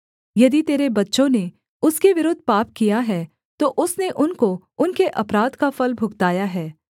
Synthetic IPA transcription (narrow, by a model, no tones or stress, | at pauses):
jɐd̪it̪eːɾebɐtːʃõne | ʊskeʋɪɾoːd̪ʱpaːp̚kijaɦɛː | t̪oʔʊsneʔʊnko | ʊnkeʔɐpɾaːd̪kafɐlbʱʊɡt̪aːjaɦɛː